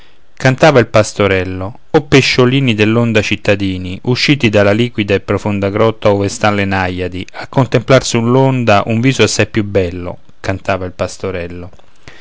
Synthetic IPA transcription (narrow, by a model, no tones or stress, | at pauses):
kant̪aːvailpast̪oɾɛlːo | opːeʃːoliːnid̪elːond̪at͡ʃit̪ːad̪iːniʔuʃːiːt̪id̪alːaliːkwid̪aepːɾofond̪aɡɾɔt̪ːaoːvest̪anlenajːad̪iakːont̪emplarsulːond̪aʔuɱviːzoasːajpːjubːɛlːo̰ | kant̪aːvailpast̪oɾɛlːo